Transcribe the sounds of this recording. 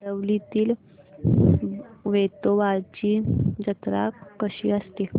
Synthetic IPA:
əʋlit̪iːl | ʋet̪oʋaɾt͡ɕiːd͡ʑət̪ɾa̰kːəɕḭːəst̪i

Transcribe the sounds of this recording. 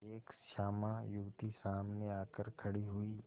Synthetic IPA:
eːkʃaːmãjʊɡt̪isaːmneaːkəɾkʰəɽiɦʊiː

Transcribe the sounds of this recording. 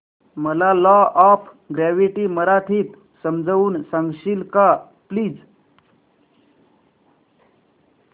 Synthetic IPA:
məlalɔɔp | ɡɾaʋiʈiːməɾat̪ʰiːt̪ | səmd͡zauːnsãŋɡɕilka | pliːd͡z

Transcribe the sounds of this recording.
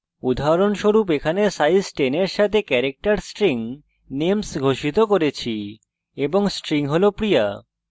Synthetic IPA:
ud̪ʱaɾonʃoɾupekʰanesajsʈeneɾʃat̪ʰekɛɾek̚ʈaɾsʈɾiŋ | nemsɡʱoʃit̪okoɾet͡ɕʰi | eboŋsʈɾiŋɦolopɾia̰

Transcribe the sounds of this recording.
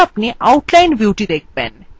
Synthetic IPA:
apniʔauʈlajnbjuwʈiːd̪ek̚ʰbɛ̰̃n

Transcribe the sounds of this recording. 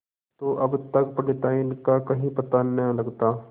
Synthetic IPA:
t̪oʔɐbt̪ɐkpɐɽɪt̪aːinkakɐɦĩpɐt̪anɐɦlɐɡt̪aː

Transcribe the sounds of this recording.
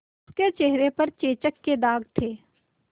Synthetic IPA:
ʊsket͡ʃeɦɾepɐɾt͡ʃeːt͡ʃəkːed̪aːɡt̪ʰeː

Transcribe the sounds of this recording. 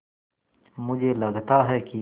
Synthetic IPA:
mʊd͡ʒʱelɐɡt̪aɦɛːki

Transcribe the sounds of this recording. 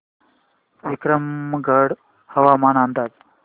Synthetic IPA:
ekɾəmɡʱəɽ | həʋamanand̪ad͡z

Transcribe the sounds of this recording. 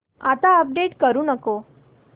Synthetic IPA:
at̪aəp̚ɖeʈkəɾũnəko

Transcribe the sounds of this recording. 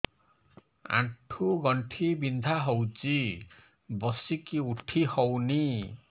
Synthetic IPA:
ã̰ʈʰuɡɔɳʈʰibind̪ʱaɦowt͡ʃi | bɔsikiuʈʰihɔwni

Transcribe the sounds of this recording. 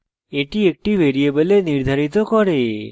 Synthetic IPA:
eʈiek̚ʈiʋeɾiebəleniɾd̪ʱaɾit̪okɔɾe

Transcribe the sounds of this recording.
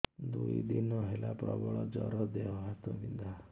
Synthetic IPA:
d̪uid̪inɔɦelapɾɔbɔɭɔd͡ʒɔɾɔd̪eɦɔɦat̪ɔnind̪a

